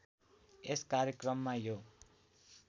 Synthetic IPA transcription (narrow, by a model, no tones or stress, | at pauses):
eskaɾjekrʌmːajo